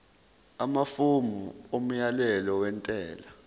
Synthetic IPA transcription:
amafumuom̩jalɛlɔwɛntʼɛːla

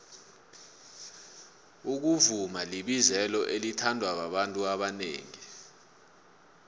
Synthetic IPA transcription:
uk̬uvumaliɓizɛlɔʔelitʰandʱwaɓaɓantʼuaɓanḛːŋi

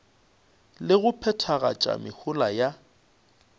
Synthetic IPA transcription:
lɪɣʊpʰɛtʰaɣa̰t͡ʃʼa̰mɪhʊlaja

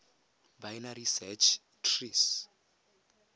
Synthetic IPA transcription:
bajnaɾisɛt͡ʃʰ | tʰris

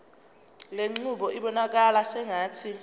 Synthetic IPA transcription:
leŋ͡ǀuɓɔʔiɓɔnak̬alasɛŋaːtʰi

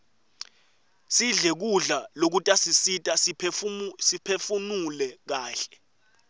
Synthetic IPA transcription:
siɮɛk̬uɮalok̬utʼasisitʼas | sipʰefunulɛk̬aːɬɛ̥

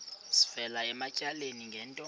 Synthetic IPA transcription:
si̥fɛlaɛmacʼaleniŋɡʱɛːntʼɔ

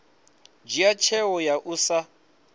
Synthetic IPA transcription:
d͡ʒiat͡ʃʰɛwɔjaʔusa

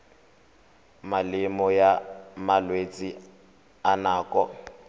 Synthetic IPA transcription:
malɪmɔjamalwet͡sʼi | anaːkʼɔ

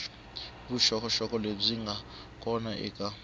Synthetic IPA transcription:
buʃɔkʰʼɔʃɔkʼɔleb͡ʐiŋɡʱa | kʼɔnaʔɛ̰kʼa

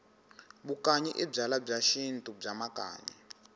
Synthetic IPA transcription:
bukʼaɲiʔɛb͡ʐalab͡ʐaʃintʼub͡ʐamakʼa̰ːɲḭ

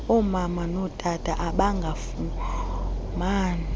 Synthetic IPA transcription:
ɔmamanɔtʰʼatʰʼaʔaɓaŋɡʱafu | maːna

